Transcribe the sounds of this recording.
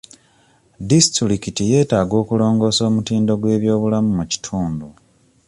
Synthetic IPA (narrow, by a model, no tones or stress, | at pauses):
disitiɾikitije̞ːtaːɡo̞ːkulo̞ːŋɡo̞ːso̞ːmutiːndo̞ɡwe̞ːβjo̞ːβulamumuci̥tʰuːndu